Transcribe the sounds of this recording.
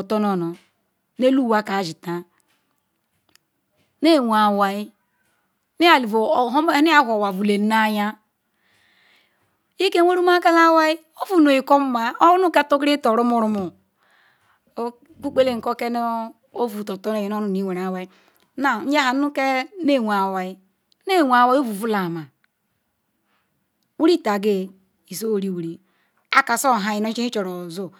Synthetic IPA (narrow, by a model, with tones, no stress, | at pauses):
o˨to˦no˨no˨ | ne˦lu˦˨wa˦ka˨ʒi˨ta˨ | ne˦˨wʷa˨wa˨i˦ | ni˦a˨li˨vo˨˦ni˦a˦˨ho˨wa˨vu˨le˨˦na˦ja˦ | i˦ke˦e˦ɾu˦ma˦ka˦la˦wa˦i˦ | o˦vu˨no˨i˨ko˦m˦ma˦o˦nu˦ke˦to˦kɾi˦to˨ɾu˦mu˦ɾu˦mu˨˦ | ku˦k͡pe˦le˦˨ŋ̩˨ko˦ke˦no˦ | o˦vu˨to˨to˦ne˨ji˨no˦nu˨ni˨˦we˨ɾa˨wa˦i˦ | na˨n̩˦d͡ʒa˦ɦa˨˦u˦ke˦ne˦˨wʷa˨wa˦i˦ | ne˦˨wa˨wa˦o˦vu˨vu˦la˨ma˨ | wu˦ɾi˦˨ta˨ɡe˦ | i˨so˦wɾi˦˨wu˨ɾi˨ | a˦ka˨so˦˨ɦa˨˦ji˨no˦i˦i˦t͡ʃo˨ɾo˨zo˦